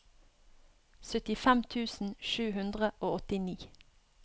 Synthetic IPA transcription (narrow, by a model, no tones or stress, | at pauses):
sœt̪ɪfɛmt̪ʰʉːsn̩ʃʉːhʉnd̪ʁəʔoːɔt̪ɪniː